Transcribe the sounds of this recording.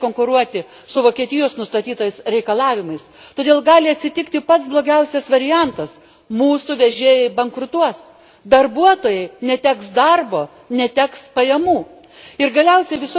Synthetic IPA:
koːŋkʊɾuɔt̪ʲɪ | sʊʋoːkʲiɛt̪ʲɪjoːsnʊst̪ɐt̪ʲiːt̪ɐjɪsɾʲɛɪkɐlˠɑːʋʲɪmɐɪst̪oːdʲeːlˠɡɑːlʲɪɐt̪ʲsʲɪt̪ʲɪkt̪ʲɪpɐt̪sblˠoːɡʲɛʊsʲɛsʋɐɾʲɪjɛnt̪ɐs | muːsʊʋʲɛʒʲeːjɪbɐŋkɾʊt̪uɔs | d̪ɐrbuɔt̪oːjɛɪnʲɛt̪ʲæːksd̪ɐrboː | nʲɛt̪ʲæːkspɐjɛmuː | ɪɾɡɐlʲɛʊsʲɛɪʋʲɪsʊ

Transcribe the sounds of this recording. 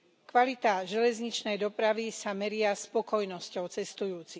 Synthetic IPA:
kʋalit̪aːʒɛlɛzɲit͡ʃnɛjd̪ɔpɾaʋisamɛɾɪaspɔkɔjnɔscɔʊt͡sɛst̪ujuːt͡si

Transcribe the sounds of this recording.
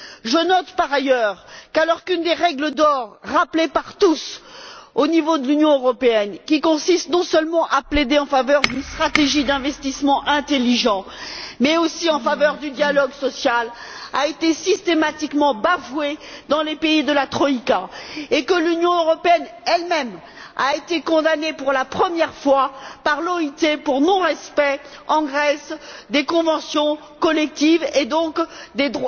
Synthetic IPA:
ʒənɔt̪paʁajœʁkalɔʁkynd̪eʁɛɡləd̪ɔʁːaplepaʁt̪us | onivod̪əlynjɔ̃øʁɔpeɛnkʲikɔ̃sist̪nɔ̃sœlmɑ̃ʔapled̪eɑ̃favœʁd̪ynst̪χat̪eʒid̪ɛ̃vɛst̪ismɑ̃ʔɛ̃t̪eliʒɑ̃mɛosiɑ̃favœʁd̪yd̪jalɔɡsɔsjala̰et̪esist̪emat̪ikmɑ̃bavwed̪ɑ̃lepeid̪əlat̪χɔikaekəlynjɔ̃øʁɔpeɛnɛlmɛm | a̰et̪ekɔ̃d̪anepuʁlapχəmjɛʁfwapaʁlɔit̪epuʁnɔ̃ʁɛspɛɑ̃ɡʁɛsd̪ekɔ̃vɑ̃sjɔ̃ | kɔlɛk̚t̪ived̪ɔ̃kd̪ed̪ʁw

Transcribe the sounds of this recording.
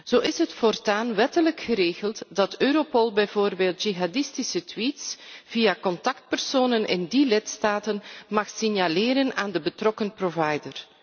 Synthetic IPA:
z̥oːɪsɦətfɔrtaːnʋɛtələkxəɾeːɣəlˠtdɑtøːɾopɔlˠbɛjvoːrbeːlˠtʒ̥iɦadɪstisətwitsv̥ijakɔntɑkt̚pərsoːnənɪ̰ndilɪtstaːtənmɑxsɪnjalɪːɾənaːndəbətrɔkənprovɑjdər

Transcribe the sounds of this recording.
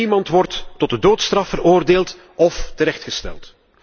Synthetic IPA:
imɑntʋɔrtːɔt̚dədoːtstrɑfəɾoːrdeːlˠt | ɔftəɾɛxtxəstɛ̰lˠt

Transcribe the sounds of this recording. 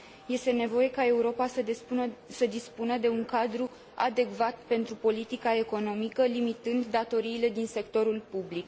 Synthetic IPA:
je̞st̪e̞ne̞vo̞je̞kae̞uɾo̞pa | səd̪ispunəd̪e̞uŋkad̪ɾu | a̰d̪e̞kvat̪̚pe̞nt̪ɾupo̞lit̪ikae̞ko̞no̞mikəlimit̪ɨnd̪ːat̪o̞ɾiːle̞d̪inse̞kt̪o̞ɾulpublik

